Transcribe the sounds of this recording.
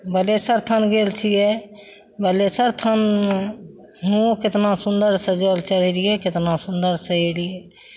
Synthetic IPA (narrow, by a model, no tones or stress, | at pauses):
bəlesəɾt̪ʰənɡelt͡ʃʰije | bəlesəɾt̪ʰən | ɦũket̪nasund̪əɾsəd͡ʒəlt͡ʃəlɛlijekɪt̪nasund̪əɾsəelije